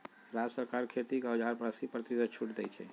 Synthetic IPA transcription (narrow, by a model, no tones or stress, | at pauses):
ɾad͡ʒsəɾkaɾkʰet̪ikəd͡ʒʱaɾpɾəsipɾət̪isət͡ʃʰuʈd̪ɛt͡ʃʰɛ̰